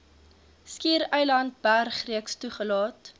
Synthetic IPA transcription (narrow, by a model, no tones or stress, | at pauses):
skiːɾɛjlɐnt̚bærχriəkstuχəlɑːt